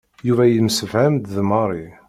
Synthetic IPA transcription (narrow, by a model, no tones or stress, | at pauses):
juvæjəlməsəvhæmd̪ðmɑɾˤi